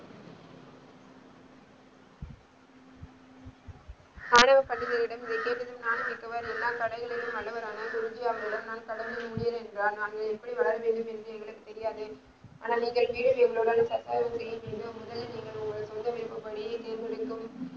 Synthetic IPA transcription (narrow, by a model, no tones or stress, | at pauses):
aːɳɐʋɐpɐɳːɪɣɐlɪɽɐmɪðɐkeːʈːɐðɯmnaːnɯmɪkːɐʋaɾɛlːaːmkɐɽɐɪɣɐɭɪɽɯmɐɭːɐʋɐɾaːnɐkʊɾɯɲd͡ʒɪjaːʋɐɾɪɽɐmnaːnkɐɽɐnd̪ɯmʊɽɪjɐɾɛndraːɾnaːŋɡɐɭɛpːɐɽiʋɐɭɐɾɐʋeːɳɖɯmɛndrɯɛŋɡɐɭɯkːɯt̪ːɛɾɪjaːðɯ | a̰ːnaːniːŋɡɐɭʋiːɽɯmɛŋɡɐɭoːɽɐnsɐsaːɾɐŋɐjɐmiːndɯmʊðɐlniːŋɡɐɭʊŋɡɐɭsɔnd̪ɐʋɪɾɯpːɯpːɐɽɪjɐt̪eːɾɡɐɭɯkːɯm